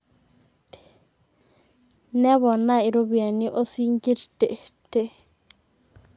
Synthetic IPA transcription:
nɛ˦βɔ˨na˦ɪ˨ɾo˦βi˨a˨ni˦ʔo˦si˦ŋɡi˦ɾte˨te˦

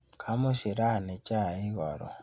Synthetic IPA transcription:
kʰa˨˦mo˦si˨ɾa˦˨ne˨t͡ʃa˦˨i˦ɣɔ˨ɾɔ̰˨

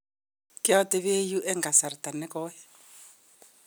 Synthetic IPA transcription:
kɪ˦a˦te˦βe˦ju˦ʔɛ˦ŋɡa˨sa˨ɾi˨t̪ʼa˨nɛ˦kɔː˦jɛ˦

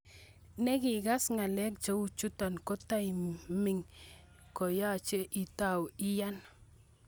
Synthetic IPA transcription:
nɛ˦kɪ˨ɡa˦sŋa˨lɛ˦k̚t͡ʃo˦u˨t͡ʃu˦ta˨nkɔ˦ta˦ji˨mɪ˨ŋ | kɔ˨ja˦˨t͡ʃe˦ʔi˨ta˦˨wɪ˦ja˦n

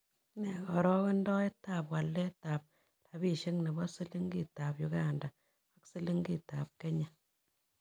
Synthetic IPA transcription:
nɛ˨kɔ˨ɾɔ˦ke˦ndɔ˦e˦tːa˨pwa˨lːɛ˦ta˨p̚ | ta˨bi˦˨ʃe˦ŋne˨bɔ˦si˦li˦ŋɡi˦ta˨pju˨ka˦˨nda˨ | a˦ksi˦li˦ŋɡi˦˨ta˨p̚ke˦ɲa˨

